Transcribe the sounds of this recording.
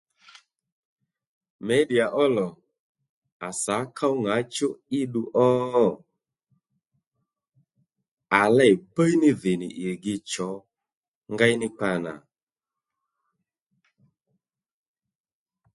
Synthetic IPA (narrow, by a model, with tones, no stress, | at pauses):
mɛ˨˦di˨a˨ʔɔ˦lɔ˨ | a˨sa˨˦kʰa˦wŋa˨˦t͡ʃʊ˦ɪ˦ɗu˧ʔɔ˦ | a˨lɛ˦˨i˨pə˦jnɪ˦ðɪ˨nɪ̰˨ʔɪ˨ɾɡɪ˧t͡ʃɔ˨˦ | ŋɡa˦jnɪ˦k͡pa˧na̰˨